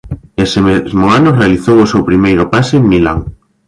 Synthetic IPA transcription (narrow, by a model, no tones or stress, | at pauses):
esemezmoanorealiθowosewpɾimejɾopaseːŋmilaŋ